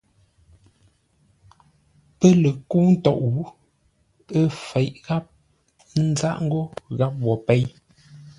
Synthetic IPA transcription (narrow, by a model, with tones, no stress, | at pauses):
pə˦lə˨kuː˦n̩˦tɔ˨ʔɣu˦ | ə˦fɛ˨ʔɣa˦p̚ | n̩˦za˦˨ʔŋ̩˦ɡo˦ɣa˦p̚wɔ˨pɛ˦j